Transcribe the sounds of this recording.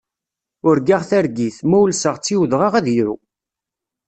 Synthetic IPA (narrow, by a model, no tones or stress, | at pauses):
ʊɾɡaʁθæɾɡiθmæwlsəʁt͡sːiwðʁɑʁæðjɾṵ